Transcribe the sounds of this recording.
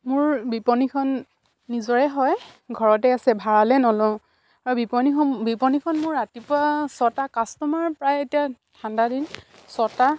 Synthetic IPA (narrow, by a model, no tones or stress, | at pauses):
mʊɹbipɔnikʰɔnː | izɔɹɛɦɔjɡʱɔɹɔtɛasɛbʱaɹalɛnɔlɔ | aɹubipɔniɔbipɔnikʰɔnmʊɹːatipʊasɔtakastɔmaɹpɹajetijatʰandadinsɔta